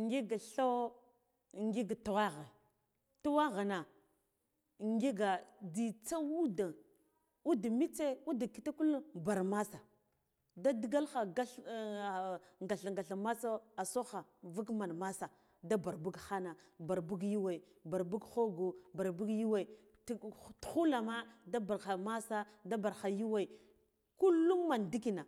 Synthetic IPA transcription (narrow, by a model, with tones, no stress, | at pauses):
ŋɡi˦ɡa˨ɬo˦ | ŋɡi˦ɡa˨tu˨wa˦ɣa˨ | tu˦wa˦ɣa˨na˨ | ŋɡi˦ɡa˨di˨t͡sa˦wu˦da˨ | u˦da˨mi˦t͡se˦u˦da˨ki˨ta˦ku˦lba˨ɾma˦sa˨ | da˦dɡa˦lxa˨ɡa˦ɬ | ŋɡa˨ɬa˨ŋɡa˨ɬa˨ma˦sa˦a˨so˦xa˨vu˦ɡma˨nma˦sa˨ | da˦ba˨ɾbu˦ɡxa˦na˨ba˨ɾbu˦ɡji˦wa˨i˨ | ba˨ɾbu˦ɡxo˦ɡu˨ba˨ɾbu˦ɡji˦wa˨i˨ | ttxu˦la˨ma˦da˦ba˨a˨ma˦sa˦da˦ba˨ɾxa˨ji˦wa˦i˨ | ku˦lːu˦ŋma˨ndi˦ki˨na˨